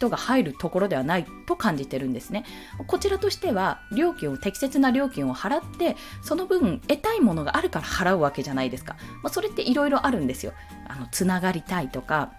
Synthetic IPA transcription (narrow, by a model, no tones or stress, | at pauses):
ç̥t̪o̞ɡahaiɾɯ̟t̪o̞ko̞ɾo̞d̪e̞βanait̪o̞kãɲ̟d͡ʑit̪e̞ɾɯ̟̃nd̪e̞sɨne̞ | mako̞t͡ɕiɾat̪o̞ɕi̥t̪e̞βaɾʲo̞ːkʲĩɰ̃o̞t̪e̞kʲi̥se̞t͡sɨnaɾʲo̞ːkʲĩɰ̃o̞haɾat̪ːe̞so̞no̞bɯ̟ɯ̟̃ɴe̞t̪aimo̞no̞ɡa̰ʔaɾɯ̟kaɾahaɾaɯ̟βake̞ʑanaid̪e̞sɨ̥ka̰maso̞ɾe̞t̪ːe̞ʔiɾo̞iɾo̞ʔaɾɯ̟̃nd̪e̞sɨjo̞̰ | a̰no̞t͡sɨnaɡaɾʲit̪ait̪o̞ka